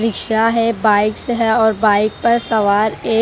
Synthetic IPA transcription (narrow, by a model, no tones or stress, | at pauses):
ɾɪkʃaɦɛbaːɪkseɦɛɔːɾbaːɪk̚pɐɾsɐʋaːɾeː